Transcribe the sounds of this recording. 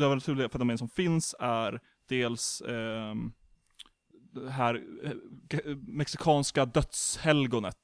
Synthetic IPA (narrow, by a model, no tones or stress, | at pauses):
øːvəɾnat̪ʰʉːlɪɡafɾt̪ɔmɛnsɔmfɪnsæɾ | d̪̥eːls | d̪ɛɦæːɾ | mɛksɪkʰɑːnskad̪œt̪shɛlɡʊnə̰t̪